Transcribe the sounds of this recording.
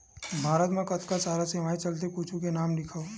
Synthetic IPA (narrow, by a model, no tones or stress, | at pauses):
bʱaːɾət̪mẽkɐt̪ʰkasaːɾaseːʋaːit͡ʃɐlt̪̬ekuːt͡ʃʰukenaːmlɪkʰao